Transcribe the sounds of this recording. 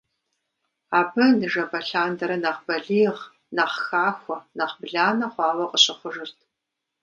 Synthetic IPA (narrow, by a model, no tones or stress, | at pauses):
aːbɐnɨʒɐbɐɬaːndɐɾɐnɐqbɐɮiːʁ | nɐχxaːxʷɔnɐqbɮaːnɐχʷɑːwɐqʼəɕɪχʷʊʒɨrtʰ